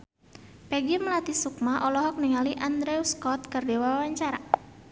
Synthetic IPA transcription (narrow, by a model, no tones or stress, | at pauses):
pɛɡiməlat̪isuk̚maʔɔlɔɦɔk̚niŋaliʔand̪ɾɛuskɔt̪̚kɨrdɛwaawaɲt͡ʃaɾa